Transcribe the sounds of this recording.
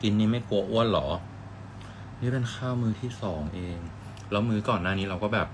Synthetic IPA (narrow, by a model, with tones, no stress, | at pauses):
ki˧nːiː˥˩ma˥˩jku˧əʔu˥˩ənlɔ̰ː˩˦ | niː˥˩pe˧nkʰaː˥˩wmɯː˦˥t̪ʰiː˥˩sɔː˩˦ŋʔeː˧ŋ | lɛː˦˥wmɯː˦˥kɔː˨˩nːaː˥˩niː˦˥ɾa˧wkɔː˥˩bɛː˨˩p̚